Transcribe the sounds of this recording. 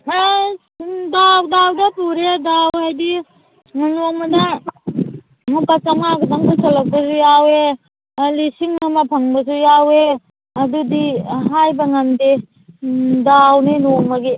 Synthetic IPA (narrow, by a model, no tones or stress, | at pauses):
dawdawdɐpuɾedawhajdi | noŋmɐnɐ | mupat͡ʃaŋaɡɐdaŋbasɐlɐk̚pɐsujawe | lisiŋnumɐpʰɐŋbɐsujawe | ɐdudiɦajbɐŋɐmde | dawninoŋmɐɡi